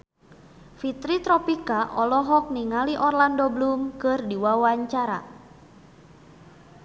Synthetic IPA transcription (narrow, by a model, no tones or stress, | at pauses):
fit̪ɾit̪ɾɔpikaʔɔlɔɦɔk̚niŋaliʔɔrlandoblumkɨrdiwawaɲt͡ʃaɾa̰